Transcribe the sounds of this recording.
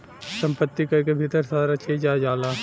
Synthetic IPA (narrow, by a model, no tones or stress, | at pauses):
sɐ̃mpət̪ːikakebʱit̪əɾsaːɾat͡ʃeːd͡ʒaːd͡ʒaːlaː